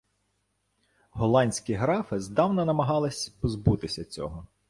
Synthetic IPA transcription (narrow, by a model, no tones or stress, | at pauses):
ɦɔlˠɑnʲsʲkɪɦɾɑfɪzd̪ɑwnɐnɐmɐɦɑlˠɪsʲpɔzbut̪ɪsʲɐt͡sʲɔ̰ɦɔ